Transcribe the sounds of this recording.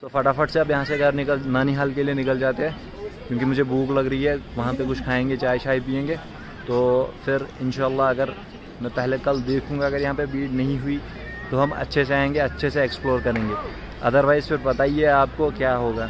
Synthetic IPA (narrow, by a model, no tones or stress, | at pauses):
t̪oːfɐʈafəʈseɐbjɐɦãseɡɐɾnɪkəlnaːniɦaːlkelienɪkəld͡ʒaːt̪eɦɛ̃ː | kjõːkimʊd͡ʒʱebuːklɐɡɾɐiɦɛʋɐɦãpekʊt͡ʃʰkʰaːẽːŋɡet͡ʃaːɪʃaːɦipiːẽːŋɡeː | t̪oːfʰɪɾɪ̃nʃaːəlːaɐɡəɾ | mɛ̃pɛɦlekɐld̪eːkʰũŋɡaɐɡəɾjɐɦãpebiːʈnɐɦĩɦʊi | t̪oɦɐmɐ̰tːʃʰeseaːẽːŋɡeɐtːʃʰeseːksploːɾkɐɾẽːŋɡeː | ɐ̰d̪əɾʋaːɪzfɪɾbɐt̪aːieaːp̚kokjaːɦoːɡaː